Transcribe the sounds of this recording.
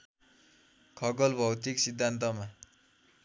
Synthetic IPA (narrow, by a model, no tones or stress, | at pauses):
kʰʌɡʌlbʱʌwt̪iksid̪ʱːant̪ʌma